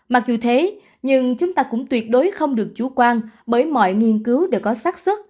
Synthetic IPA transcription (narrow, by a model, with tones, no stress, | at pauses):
ma˨˩k̚zu˨˩t̪ʰe˨˦ | ɲɨ˧ŋt͡ɕʊ˨˦ŋ͡mt̪aː˧kʊ̰˧˥ŋ͡mt̪wi˨˩ət̚ɗo˨˦jxə˧wŋ͡mɗɨ˨˩ək̚t͡ɕu˧˩kwaː˧nɓəː˨˦jmɔ̰˧˨jŋi˧ənkɨ˨˦wɗe˧˩wkɔ˨˦saː˦˥t̚swə˦˥t̚